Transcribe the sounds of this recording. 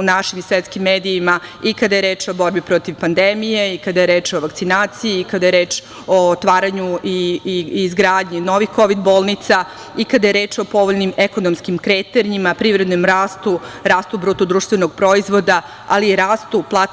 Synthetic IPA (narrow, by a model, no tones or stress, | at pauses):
unaʃimisʋet̪skimːeːd̪iimaikad̪ajeɾe̞ːt͡ʃo̞bo̞ɾbipɾo̞t̪iʋpand̪emije̞ikad̪ajeɾeːt͡ʃoʋakt̪sinaːt̪sijiːkad̪ajeɾeːt͡ʃ | ot̪ʋaːɾaɲuiː | zɡɾaːd̪ɲino̞ʋixko̞ʋid̪bo̞ːlˠnit̪sa | ikad̪ajeɾeːt͡ʃopo̞ʋoʎnimeko̞nomskimkɾet̪eɾiimapɾivɾed̪nomɾaːst̪uɾaːst̪ubɾuːt̪ud̪ɾuːʃt̪ʋeno̞ɡ̥̚pɾo̞izʋo̞d̪a | aliːɾaːst̪uplˠaː